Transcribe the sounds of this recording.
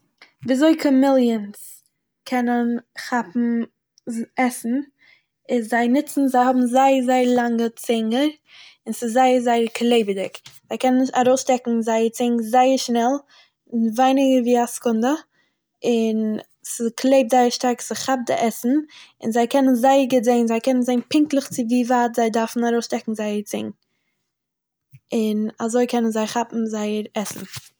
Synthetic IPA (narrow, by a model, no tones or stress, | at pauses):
viːzoɪkʰɔmɪlˠjəns | kʰɛnənχapm̩ | ɛsn̩ | ɪzzaɪnɪt͡sn̩zaɪhɔbm̩zaɪəzaɪəɾlˠaŋɡət͡sɪŋɡəɾ | ɪnsɪzaɪəɾzaɪəɾklˠeɪbɪdɪkz̥aɪkʰɛnənaɾoʊsʃtɛkŋ̩zaɪəɾt͡sɪŋɡzaɪəɾʃnɛlˠ | ɪnvaɪnɪɡəɾviːaskʊndə | ɪn | sɪskʰlˠeɪp̚zaɪəʃtaɾksɪχap̚dɪ̰ʔɛsn̩ɪ̰nzaɪkʰɛnənzaɪəɾɡɪzeɪnzaɪkɛnənzaɪnpɪŋklˠəχt͡sɪviːvaːtz̥aɪdaɾfn̩aɾoʊsʃtɛkŋ̩zaɪəɾt͡sɪ̰ŋ | ɪnazoɪkʰɛnənzaɪχapm̩zaɪəɾɛsn̩